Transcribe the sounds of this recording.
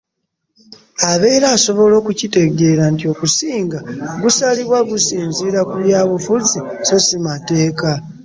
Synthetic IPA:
aβe̞ːɾaːso̞βo̞lo̞ːkucite̞ɡe̞ːɾantio̞kusiːŋɡaɡusaliβwaɡusiːnziːɾakuljaːβufuzisosimate̞ːka

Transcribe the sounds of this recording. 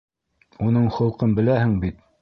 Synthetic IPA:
unɤɴχŏlˠqɤnbɘ̆læhɘŋbit̪

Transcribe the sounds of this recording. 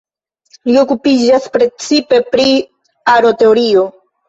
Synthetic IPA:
lio̞kupid͡ʒaspɾe̞t͡sipe̞pɾi | aɾo̞t̪e̞oɾio

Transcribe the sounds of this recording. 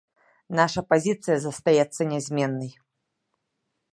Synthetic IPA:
naʂɐpazʲit̪sɨjɐzɐst̪ajɛt̪sːɐnʲɛzʲmʲɛnːɐj

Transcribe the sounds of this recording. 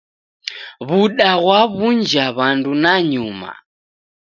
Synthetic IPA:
βuɗaɣwaβund͡ʒaβandunaɲuma̰

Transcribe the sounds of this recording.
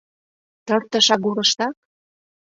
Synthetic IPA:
t̪ɤ̆rt̪ə̆ʃɑɣuɾɤ̆ʃt̪ɑk̚

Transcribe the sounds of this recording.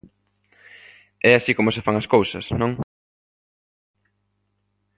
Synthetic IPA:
ɛasikomʊsɪfaŋɐskowsɐsnõŋ

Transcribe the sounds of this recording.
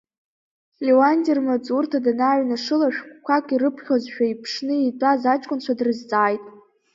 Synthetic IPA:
lewandirmat͡sʼurtʰadanaɥnaʂɨlaʃᶣkʷʼkʷʰakʷʼiɾɨpʰχʲozʃᶣaipʰʂnɨitʷʼazat͡ʃʼkʷʼʊnt͡ɕʷʰadrɨzt͡sʼaːjtʼ

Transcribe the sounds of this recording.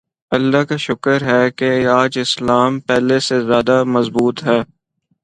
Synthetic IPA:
ɐlːakaʃʊkəɾɦɛːkeaːd͡ʒɪslaːmpɛːlesezjaːd̪amɐzbuːt̪ɦɛː

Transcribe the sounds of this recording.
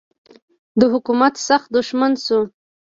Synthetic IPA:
d̪əɦʊkumat̪saxt̪̚d̪ʊʃmansu

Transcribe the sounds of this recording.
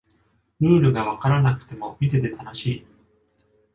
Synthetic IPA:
ɾɯ̟ːɾɯ̟ɡaβ̞akaɾanakɯ̟̥t̪e̞mo̞mʲit̪e̞t̪e̞t̪ʰano̞ɕiː

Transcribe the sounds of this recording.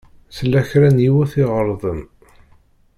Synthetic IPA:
səlːæçɾænjiwæθɪʁəɾˤðˤən

